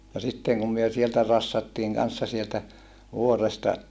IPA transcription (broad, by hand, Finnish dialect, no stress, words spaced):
jɑ sitːeˑŋ kum myø sieltæ rɑsːɑtːiːŋ kɑnsːɑ sieltæ ʋuorestɑ